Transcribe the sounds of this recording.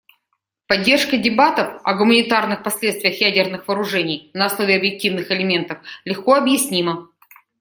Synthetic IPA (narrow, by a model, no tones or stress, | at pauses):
pɐdʲːe̞rʂkədʲɪbat̪əfɐɡʊmənʲɪt̪arnɨxpɐsʲlʲet̪st̪vʲɪjəxjædʲɪrnɨxvɐːɾʊʐɛnʲɪjnəːsnˠo̞vʲɪɐbjɪk̚tʲivnɨxɪlʲɪmʲe̞nt̪əflʲɪxko̞ɐbjɪsʲnʲimə